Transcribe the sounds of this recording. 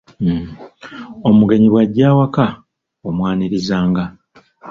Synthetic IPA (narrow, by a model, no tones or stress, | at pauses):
m̩ | o̞muɡe̞ɲiβwaɟːaːwaka | omwaːniɾizaːŋɡa